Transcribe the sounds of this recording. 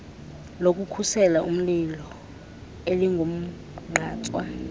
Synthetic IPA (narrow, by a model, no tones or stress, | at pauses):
lok̬ʼukʰusɛlaʔum̩lilɔ | eliŋɡʱom̩ | ŋ͡ǃʱaːt͡sʼwa